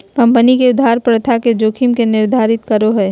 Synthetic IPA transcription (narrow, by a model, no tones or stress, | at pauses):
kɐ̃mpənikeʊd̪ʱɦaːɾpɾət̪ʰaked͡ʒoːkʰimkenɪɾd̪ʱaːɾɪt̪kəɾoɦɛː